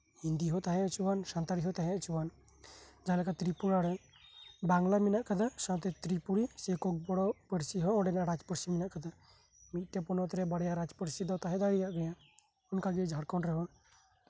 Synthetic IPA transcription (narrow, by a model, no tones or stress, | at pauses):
hind̪iɦɔt̪aɦɛ̃at͡ʃubansant̪aɾiɦɔt̪aɦɛ̃aʔt͡ʃuwan | d͡ʒalɛkat̪ɾipuɾaɽɛ | baŋlamɛnaʔkad̪asawt̪ɛt̪ɾipuɽisɛkɔk̚bɔɽɔpəɽsiɦɔ̃ɔɖɛnaʔɾad͡ʒpəɽsimɛnaʔkad̪a | mit̪̚ˀt̪ɛpɔnɔt̪ɾɛbaɽjaɾad͡ʒpəɽsid̪ɔt̪aɦɛd̪aɽijaʔɡaja | ɔnkaɡɛd͡ʒʱaɽkɔnɾɛɦɔ